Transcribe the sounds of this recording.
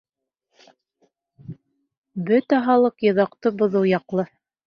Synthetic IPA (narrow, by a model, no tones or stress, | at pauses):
bɵt̪æɦɑlˠɤqjɤ̆ðɑqt̪ɤbŏðɤwjɑqlˠɤ